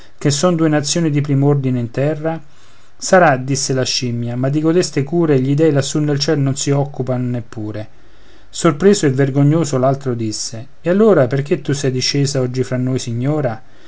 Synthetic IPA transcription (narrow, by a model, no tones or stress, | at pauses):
kesːɔnd̪uːenat̪sːjoːnid̪ipɾiːmord̪ineint̪ɛrːa | saɾad̪isːelaʃimːjamad̪ːiɡod̪est̪ekuːɾeʎid̪ɛːilasːunːelt͡ʃɛlnonsiɔkːupanonepːuːɾe | sorpɾeːzoevːerɡoɲːoːsolalt̪ɾod̪isːe | ealːoːɾaperk̟et̪ːusɛjd̪iʃːeːsaɔd͡ʒːifɾanːojsiɲːoːɾa